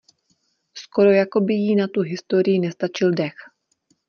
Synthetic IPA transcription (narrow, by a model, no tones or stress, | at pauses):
sko̞ɾo̞jako̞bɪjinat̪uɦɪst̪o̞ɾɪjɪnɛst̪at͡ʃɪldɛx